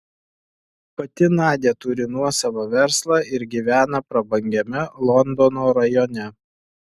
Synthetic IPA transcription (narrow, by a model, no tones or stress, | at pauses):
pɐt̪ʲɪnɑːd̪ʲeːt̪ʊɾʲɪnuɔsɐʋɐʋʲɛɾslˠɑːɪɾɡʲiːʋʲæːnɐpɾɐbɐŋʲɡʲɛmʲɛlˠɔnd̪ɔnoːɾɐjɔnʲɛ